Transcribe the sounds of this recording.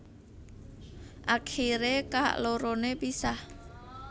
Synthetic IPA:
ʔakiɾeka̰ʔloɾonepisah

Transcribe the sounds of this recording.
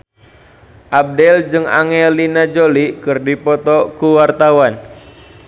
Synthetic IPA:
ʔab̚dɛld͡ʒɨŋa̰ŋɛlinad͡ʒolikɨrdipɔt̪ɔkuwart̪awan

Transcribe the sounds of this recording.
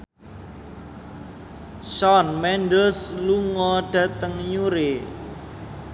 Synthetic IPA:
ʃɔnmɛnɖəsluŋɔɖ̥ä̤t̪əŋɲuɾe

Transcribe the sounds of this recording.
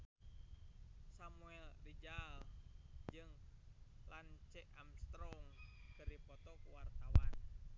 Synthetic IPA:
samuɛldid͡ʒald͡ʒɨŋ | lant͡ʃɛamst̪ɾɔŋkəɾipɔt̪ɔkuwart̪awan

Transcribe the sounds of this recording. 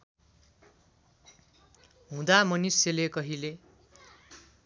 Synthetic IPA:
ɦũd̪amʌniselekʌɦile

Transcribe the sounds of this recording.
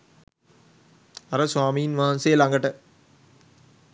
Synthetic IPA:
ɐɾɐswaːmijɪnʋaːnseːlaŋɡɐʈːɐ

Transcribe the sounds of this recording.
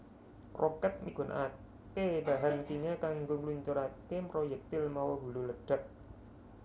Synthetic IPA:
rokɛt̪̚miɡ̥o̤nʔa | kebaɦant̪iɲakaŋɡoŋluɲt͡ʃuɾakemɾojɛk̚t̪ɪlmawoɦululəɖ̥a̤k̚

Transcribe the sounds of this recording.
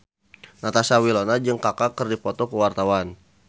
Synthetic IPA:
nat̪asawilonad͡ʒɨŋkakakərdipɔt̪ɔkəwart̪awan

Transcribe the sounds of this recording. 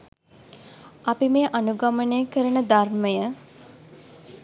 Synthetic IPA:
ɐpimeːʔanuɡamənejəkəɾənəd̪arməjə

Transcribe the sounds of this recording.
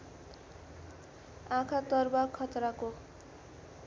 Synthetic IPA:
ãkʰat̪ʌrbakʰʌt̪ɾako

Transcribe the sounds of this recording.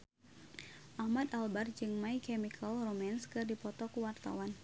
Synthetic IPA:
ʔahmad̪albard͡ʒɨŋmaikɛmikʰəlromanskɨrdipɔt̪ɔkuwart̪a̰wan

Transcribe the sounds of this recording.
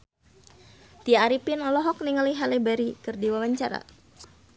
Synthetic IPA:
t̪iaaɾipinɔlɔɦɔk̚niŋaliɦalebaɾikɨrdiwawaɲt͡ʃaɾa̰

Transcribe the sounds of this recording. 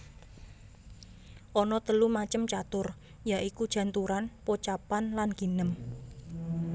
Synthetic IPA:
ʔɔnɔt̪əlumat͡ʃəmt͡ʃat̪ʊr | jaʔikud̥ʒ̥ä̤nt̪uɾanpot͡ʃapanlanɡ̥i̤nəm

